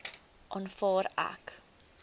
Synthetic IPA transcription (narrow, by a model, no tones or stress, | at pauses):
ʔɑnfɑːɾæ̰k